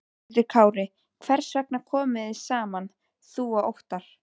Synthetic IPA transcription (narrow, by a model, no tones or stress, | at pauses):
t̪ɪɾkʰaːwɾɪ | kʰvɛɾ̥svɛk̚nakʰɔːmɪðɪsaːman | θuːaʔowht̪aɾ̥